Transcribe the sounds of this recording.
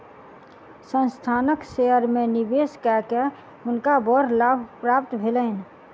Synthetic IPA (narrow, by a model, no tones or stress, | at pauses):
sə̃nst̪ʰaːnəkseəɾmẽnɪbeːskɛke | ɦʊnkabɔɾlaːbʱpɾapt̪bʱeləɪn